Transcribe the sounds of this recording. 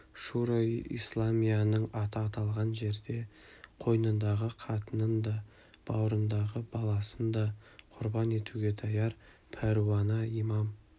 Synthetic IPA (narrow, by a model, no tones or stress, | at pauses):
ʃuɾajḭslˠamijɑnəɴɑt̪ʰːt̪ʰɑlˠʁɑnʒe̞ɾd̪e̞ | qʰo̞jnənd̪ɑʁəqʰɑt̪ənənd̪ɑ | b̥ɑwɾənd̪ɑʁəbɑlˠɑsənd̪ɑqʰʊɾbɑne̞t̪uɡʲe̞t̪ʰɑjɑɾ | pʰæɾwɑnɑimɑm